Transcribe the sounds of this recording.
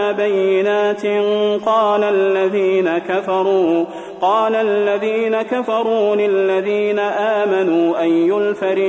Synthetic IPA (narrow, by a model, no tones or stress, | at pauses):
bajːɪnaːt̪ɪqɑːlalːaðiːnakafɑɾˤuː | qɑːlalːaðiːnakafɑɾˤuːlɪlːaðiːnaʔaːmanuːʔajjʊlfaɾ